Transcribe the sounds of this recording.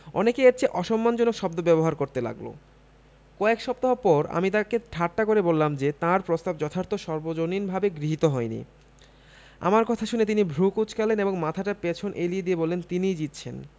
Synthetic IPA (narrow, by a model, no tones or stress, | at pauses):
ɔ̰nekeeʈt͡ɕʰeʔɔʃɔmːand͡ʑɔnokʃɔbd̪obɛboɦaɾkoɾt̪ela̰ɡlo̰ | kɔekʃɔb̚t̪aɦopɔɾa̰mit̪akeʈʰaʈːakoɾebolːamd͡ʑet̪ãɾpɾost̪ab̚d͡ʑɔt̪ʰaɾt̪oʃɔɾbod͡ʑoninbʱabeɡɾiɦit̪oɦɔenḭ | a̰maɾkɔt̪ʰaʃunet̪inibʱɾukut͡ɕkaleneboŋmat̪ʰaʈapet͡ɕʰonʔelied̪iebɔlːent̪inid͡ʑit̪ːɕʰen